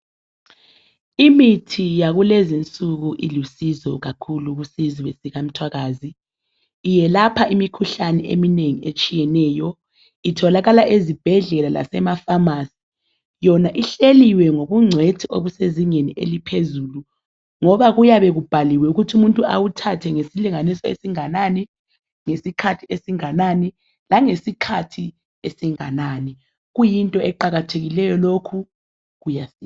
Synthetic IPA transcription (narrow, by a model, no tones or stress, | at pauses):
imitʰijaɣulezint͡sʼuɣuʔilusizɔɣakʰuluɣusiziβesiɣam̩tʰwaɣaːziː | jɛlapʰaimikʰuɬanɛḛmineŋiet͡ʃʼijɛnɛːjɔ | itʰɔlaɣalaʔezib̥ʱɛɮɛlala̰sɛmafamasi̥ | jɔnaʔiɬeliwɛŋoβuŋ͡ǀʱwetʰiʔo̰βuseziŋeniʔḛlipʰezuːlu | ŋɔβaɣujaβɛɣub̥ʱaliwɛuɣutʰumuntʼua̰wutʰatʰɛŋesiliŋanisɔḛsiŋanaːni | ŋesikʰatʰiesiŋanani | laŋesikʰatʰi | esiŋanaːni | ɣujintʼɔɛǃaɣatʰeɣilɛjɔlokʰu | ɣujasi